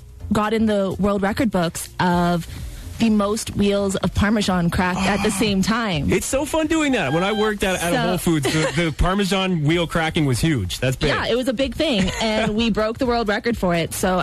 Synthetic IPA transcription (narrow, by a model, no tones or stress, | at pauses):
ɡɑɾɨ̃nðəwɜ˞lˠd̚ɹɛkə˞d̚bʊksʔʌvðɨmoʊst̚wilˠzʌv̥pʰɑɹmɨʒɑ̃nkʰɹ̥æk̚tɨt̪̚ðɨsẽɪ̃mtʰãɪ̃mɪtsoʊfʌ̃ndʉɪ̃ŋðæt̚wə̃ñaɪwɜ˞k̚tɨɾɨɾoʊlˠfudzɨðɨpʰɑɹmɨʒɑ̃nwilˠkʰɹ̥ækɪ̃ŋwʌz̥hjʉd̥d͡ʒ̥ðætsjæɪt̚wʌzɨbɪɡ̚θɪ̃ŋɨ̃nwibɹoʊk̚ðəwɜ˞lˠd̚ɹɛkə˞d̥fə˞ɪtsoʊ